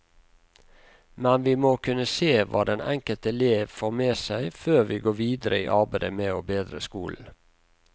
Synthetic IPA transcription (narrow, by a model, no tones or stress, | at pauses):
mɛnʋiːmoːkʰʉnəseːʋɑ̰ːd̪ɛnɛŋkəlt̪ɛleːʋfoːʁmeːsæɪføːʁʋiːɡoːʋiːd̪əɾəḭːʔɑʁbæd̪ə̰meːoːbeːd̪ɾəskṵːln̩